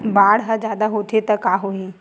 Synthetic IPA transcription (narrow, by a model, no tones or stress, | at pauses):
baːɽɦɐd͡ʒjaːd̪aɦot̪ʰet̪ɐkaːɦoĩ